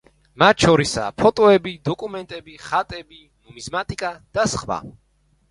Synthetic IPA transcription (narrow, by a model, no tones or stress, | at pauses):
mat̪ʰʃɔɾisa̰ːpʰɔt̪ʼɔɛbid̪ɔkʼumɛnt̪ʼɛbiχat̪ʼɛbi | mɔmizmat̪ʼikʼad̪̥asχwa̰